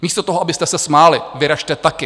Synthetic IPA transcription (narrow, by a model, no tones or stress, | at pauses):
miːst̪ot̪o̞ɦoabɪst̪ɛsɛsmaːlɪvɪɾaʃt̪ɛt̪akɪ